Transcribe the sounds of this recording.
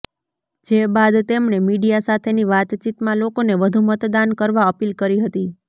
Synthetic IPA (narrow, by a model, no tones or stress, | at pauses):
d͡ʒebad̪t̪emɳemiɖijasat̪ʰeniʋat̪t͡ʃit̪mãlokoneʋəd̪ʱumət̪d̪ankəɾʋaəpilkəɾiɦət̪i